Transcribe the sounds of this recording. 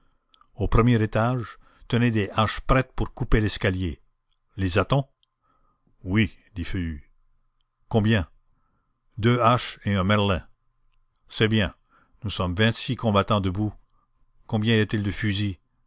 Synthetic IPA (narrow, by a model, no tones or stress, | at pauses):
opʁəmjɛʁet̪aʒ | t̪əned̪eʔaʃpɾɛt̪̚puʁkupelɛskalje | lezat̪ɔ̃ | wid̪ifəy | kɔ̃bjɛ̃ | d̪øaʃeɛ̃mɛʁlɛ̃ | sɛbjɛ̃ | nusɔmvɛ̃t̪sikʰɔ̃bat̪ɑ̃d̪əbu | kɔ̃bjɛ̃iat̪ild̪əfyzi